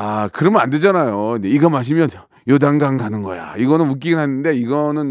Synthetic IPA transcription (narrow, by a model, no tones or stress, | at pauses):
akɯɾʌmʌnande̞d͡ʑanajoind͡ʑe̞iɡʌmaɕ̬ʰimjʌn | jodaŋɡaŋɡanɯnɡʌ̰ja̰iɡʌnɯnmuk̬͈iɡɯnɦanɯnde̞iɡʌnɯn